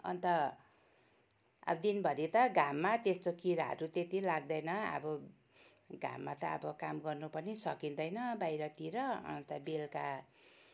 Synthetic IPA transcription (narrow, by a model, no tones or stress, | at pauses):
ʌ̰nt̪ʌ | a̰bʌd̪inbʱʌɾit̪ʌɡʱamːat̪est̪okiɾaɦʌ̰ɾut̪et̪ilaɡd̪ʌjnʌa̰bʌ | ɡʱa̰mːat̪ʌʌ̰bʌkamɡʌrnupʌnisʌkind̪ʌjnʌbajɾʌt̪iɾʌʌ̰nt̪ʌbelka